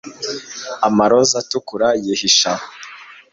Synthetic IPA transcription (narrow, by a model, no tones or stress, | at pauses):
amaɾozatukuɾajihiʃaho